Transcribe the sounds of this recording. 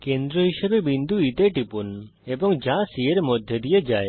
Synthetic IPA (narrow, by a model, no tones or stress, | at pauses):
kend̪ɾɔɦiʃebebind̪ʱuit̪eʈipun | ebɔŋd͡ʒãsieɾemod̪ʱjed̪ijed͡ʒae